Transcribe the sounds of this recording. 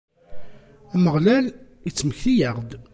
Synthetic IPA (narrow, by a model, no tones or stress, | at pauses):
æməʁlæl | it͡sːməçθijəʁd̪